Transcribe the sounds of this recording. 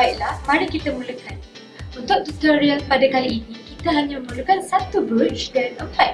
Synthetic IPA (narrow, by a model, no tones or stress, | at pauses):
ajʔlahmaɾikit̪əmuləkan | unt̪ʊk̚t̪ut̪ɔɾijaŋpadakaliʔːnĩkit̪aɦaɲãməũləkansat̪ubət͡ʃdanəplajk̚